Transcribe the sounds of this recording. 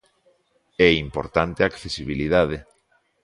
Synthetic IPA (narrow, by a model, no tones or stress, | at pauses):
ɛimpoɾt̪ant̪eakθesiβiliðað̞e